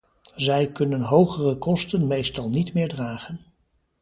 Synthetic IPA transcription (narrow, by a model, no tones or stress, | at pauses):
zɛjkɵnənɦowχərəkɔstənmejstɑlˠnitmɪːɹdraːχən